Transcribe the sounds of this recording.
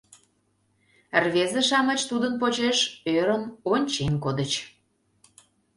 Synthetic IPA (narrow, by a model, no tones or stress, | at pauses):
rβezĕʃɑmət͡ɕt̪ud̪ənpot͡ɕeʃøɾənonʲt͡ɕenkod̪ət͡ɕ